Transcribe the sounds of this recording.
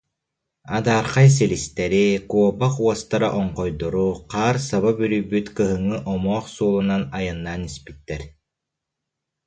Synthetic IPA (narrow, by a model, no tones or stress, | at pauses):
ad̪aːɾqajs̬ilist̪ɛɾikuɔbaquɔst̪aɾa̰ʔɔɴqɔjd̪ɔɾuqaːɾsaβabyɾyjbyt̪kɯɦɯŋɯʔɔmɔːχsuːlˠunanajɯnːaːnispi̥t̪ːɛɾ